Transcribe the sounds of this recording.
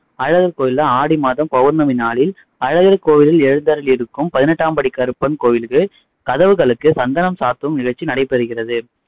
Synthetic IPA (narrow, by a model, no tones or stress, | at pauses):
ɐɻɐɣɐɾkoːjɪlɐaːɽimaːðɐmpɐʋɐɾnɐmɪnaːɭɪl | ɐɻɐɣɐɾkoːjɪlɪlɛɻɯnd̪aːɾɪlɛɾɯkːɯmpɐðɪnɛʈːaːmbɐɽɪkːaɾɯpːɐnkoːjɪlɣɯ | kɐðɐʋɯɣɐɭɯkːɯsɐnd̪ɐnɐmsaːɾt̪ɯʋɯmnɪɣɐɭt͡ʃːinɐɽɐɪpːɛɾɯɣɪrɐðɯ